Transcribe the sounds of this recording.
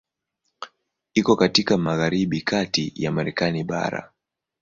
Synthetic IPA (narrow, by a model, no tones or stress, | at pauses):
ikɔkatikamaɣaɾiɓikʰatijamaɾɛkaniɓa̰ɾa̰